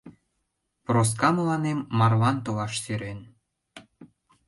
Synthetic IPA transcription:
pros̬kɑməlɑnemːɑrlɑnt̪olɑʃsyɾen

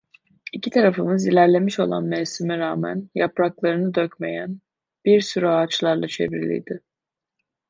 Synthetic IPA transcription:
icʰit̪ʰaɾafɯmɯzilʲæɾlʲe̞miʃo̞lˠa̰nmɛsimiɾaːmæ̰njapɾaklˠaɾɯnɯd̪øcme̞jæn | b̥iɾsyɾyaːt͡ʃlˠaɾlˠat͡ʃʰe̞̰vɾilʲḭjd̪ɪ

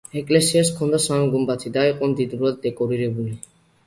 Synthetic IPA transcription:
ekʼlesiaskʰɔnd̪asamɡumbat̪ʰid̪aɛqʼɔnd̪id̪ɾuad̪̚ːekʼɔɾiɾebuli

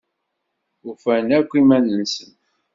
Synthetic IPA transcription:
ufænækʷːimænːənsən

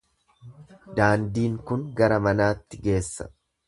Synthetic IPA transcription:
d̪aːnd̪iːŋkʊŋɡɐɾɐmɐnaːt̪ːɪɡe̞ːsːɐ̥̰

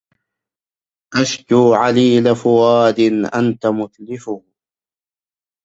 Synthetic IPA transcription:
ʔaʃkuːʕaliːlafʊwaːd̪ɪnʔa̰nt̪amʊθlɪfʊh

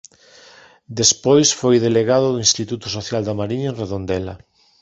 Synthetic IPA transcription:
d̪espojsfojðeleɣað̞ʊðoinst̪it̪ut̪ʊsoθjald̪amaɾiɲɐenreðond̪ɛla

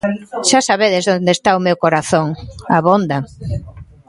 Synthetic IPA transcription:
ʃasaβeðezðond̪est̪aʊmewkoɾaθoŋaβond̪a

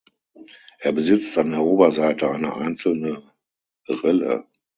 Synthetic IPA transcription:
ʔeːɐbəzɪt͡standeːɐʔoːbɐzaɪtəaɪnəʔa̰ɪnt͡sl̩nə | ʁɛlə̰

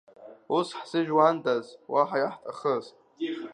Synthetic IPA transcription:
usħsɨʒᶣwantʼazwʔaħajaħtʼaχəz

